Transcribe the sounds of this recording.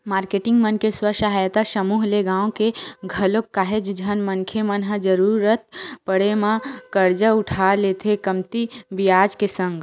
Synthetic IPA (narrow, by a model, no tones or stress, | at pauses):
maːɾkeːʈɪ̃ŋɡmənkeswəʃaɦaːjt̪aʃəmuːɦleɡãːõkeɡʱɐlokːaːɦed͡ʒd͡ʒʱənmənkʰemənɦəd͡ʒəɾuːɾət̪̚pəɽemãkəɾd͡ʒəʊʈʰalet̪ʰekəmt̪ibijaːd͡ʒkesə̃ŋɡ